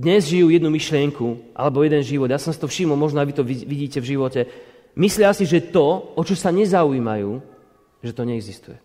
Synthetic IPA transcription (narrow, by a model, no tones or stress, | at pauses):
d̪ɲɛzʒijuːjɛd̪numiʃlɪɛŋkuʔa̰lɛbɔjɛd̪ɛnʒiʋɔd̪jasɔmsit̪ɔfʃimɔlˠmɔʒnɔajʋit̪ɔʋiʋiɟiːcɛvʒiʋɔcɛ | mislɪasiʒɛt̪ɔɔt͡ʃɔsaɲɛzauiːmajuː | ʒɛt̪ɔɲɛɛɡzist̪ujɛ